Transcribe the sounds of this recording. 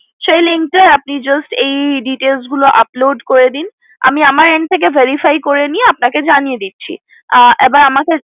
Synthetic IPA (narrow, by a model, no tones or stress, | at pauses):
ʃejliŋ̚ʈaɾapnid͡ʑɔsʈejɖiʈelsɡuloʔaploɖkoɾed̪in | a̰miamaɾeɳʈt̪ʰːek̬evʱeɾifajkoɾenijeapnaked͡ʑanijed̪itːɕʰḭ | ʔɛbaɾamake